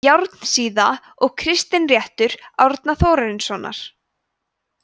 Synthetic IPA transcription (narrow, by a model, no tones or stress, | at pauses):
jawɾt̪n̥siːða | ɔɣkʰɾɪst̪ɪnrjɛht̪ʏɾ̥awɾt̪naθoːwɾaɾɪnsɔːna̰ɾ̥